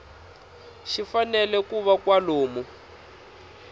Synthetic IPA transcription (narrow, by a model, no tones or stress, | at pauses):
ʃifanɛlɛkuβakwaloːmu